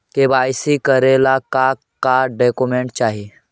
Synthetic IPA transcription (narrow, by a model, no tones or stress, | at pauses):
kebaːjsikəɾelaka | kaɖeːkumẽɳʈt͡ʃaːɦi